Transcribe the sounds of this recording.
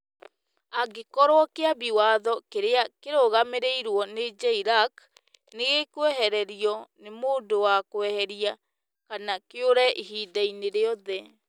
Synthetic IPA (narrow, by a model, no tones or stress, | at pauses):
aɡekɔɾwɔkeaβiwaðɔkeɾeakeɾoɣameɾeiɾwɔned͡ʒaiɾak | neɣekwɛɦɛɾɛɾiɔnemoːdowakwɛhɛɾia | kanakeoɾɛʔiɦidaineɾeɔðɛ